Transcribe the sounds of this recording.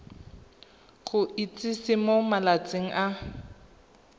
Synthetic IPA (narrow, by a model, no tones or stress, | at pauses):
χʊʔit͡sʼɪsɪmomalat͡sʼeŋ̩ʔa